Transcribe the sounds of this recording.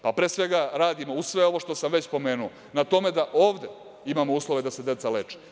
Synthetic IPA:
papɾeːsʋeɡaɾaːd̪imousʋeo̞ʋo̞ʂt̪o̞samʋet͡ɕpo̞meːnuo | nat̪o̞me̞d̪aʔo̞ːʋd̪e | imamouːslˠo̞ʋe̞d̪ase̞d̪e̞t̪salet͡ʃe̥

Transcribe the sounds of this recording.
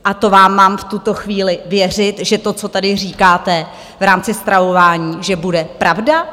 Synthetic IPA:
ʔat̪o̞vaːmːaːmft̪ut̪o̞xviːlɪvjɛr̝ɪt̪ʒɛt̪o̞t͡so̞t̪adɪriːkaːt̪ɛ | vɾaːmt͡sɪst̪ɾavo̞vaːɲiːʒɛbudɛpɾavda

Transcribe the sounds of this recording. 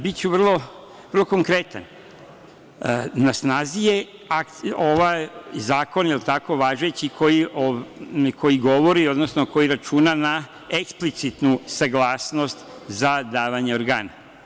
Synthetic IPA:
bitt͡ɕuʋərlˠo̞ | ʋərlˠoko̞ŋkɾe̞t̪a̰n | nasnaːzije̞ | akoʋajzaːko̞nilt̪ako̞ʋaːʒet͡ɕikʰo̞jiʔokʰo̞jiɡo̞ʋo̞ɾio̞d̪nosnoko̞jiɾat͡ʃuːnana | eksplit̪sit̪nusaɡlˠaːsno̞st̪ | zad̪aːʋaɲeoɾɡaːna̰

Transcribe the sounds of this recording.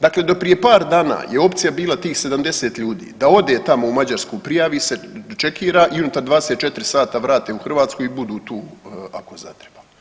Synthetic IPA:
d̪akled̪o̞pɾije̞paːɾd̪aːna̰ːjeo̞pt̪sijabiːlˠat̪iːxse̞d̪amd̪e̞seːt̪ʎuːd̪ḭːd̪ao̞d̪e̞ːt̪amo̞umad͡ʑaɾskupɾijaʋiset͡ʃe̞kʰiːɾaːʔiunut̪aɾd̪ʋaːd̪eset̪̚t͡ʃe̞t̪ɾisaːt̪aʋɾaːt̪euxr̩ʋaːt̪skuibud̪uːt̪uːa̰koza̰t̪ɾeba

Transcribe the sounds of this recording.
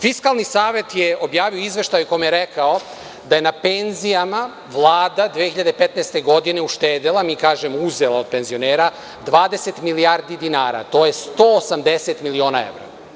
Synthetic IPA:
fiskalˠnisaːʋe̞t̪jeo̞bjaːʋioizʋe̞ʃt̪ajukojomjeɾekao̞ | d̪aje̞nape̞nzijama | ʋlˠaːd̪ad̪ʋiehiʎad̪epet̪najst̪e̞ɡo̞d̪ine̞uʃt̪eːd̪elˠamiːkaːʒemouzelˠao̞d̪̚pe̞nzio̞neːɾa | d̪ʋaːd̪e̞set̪milijaɾd̪id̪inaːɾa̰t̪o̞ːje̞st̪oːsamd̪eset̪milio̞ːnaḛʋɾa̰

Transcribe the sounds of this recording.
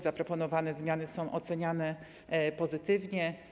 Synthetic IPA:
zapɾɔpɔnɔvanɛzmʲjanɘsɔ̃w̃ʔɔt̪sɛɲanɛ | pɔzɘt̪ɘvɲɛ

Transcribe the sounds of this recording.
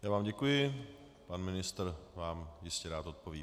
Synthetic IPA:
jaːvaːmɟɛkujɪ | panmɪnɪst̪r̩vaːmjɪscɛɾaːt̪o̞t̪̚poviː

